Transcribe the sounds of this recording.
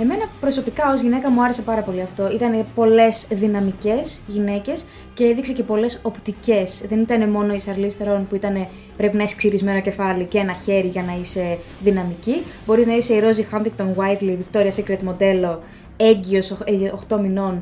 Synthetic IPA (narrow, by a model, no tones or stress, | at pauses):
e̞me̞nɐpɾo̞so̞pikɐo̞zʝine̞kɐmuɐɾe̞se̞pɐɾɐpo̞liɐft̪o̞it̪ɐne̞po̞le̞sðinɐmice̞sʝine̞ce̞s | ce̞eðikse̞ce̞po̞le̞so̞pt̪ice̞sðe̞nit̪ɐne̞mo̞no̞isɐɾlisθeɾo̞npuit̪ɐne̞ | pɾe̞pinɐesksiɾizme̞no̞ce̞fɐliceenɐçe̞ɾiʝɐnɐise̞ | ðinɐmicibo̞ɾiznɐise̞iɾo̞zixɐnt̪ikt̪onwɐjt̪livik̚t̪o̞ɾiɐsekɾet̪mo̞d̪e̞lo̞ | e̞ɲɟio̞soxt̪o̞mino̞n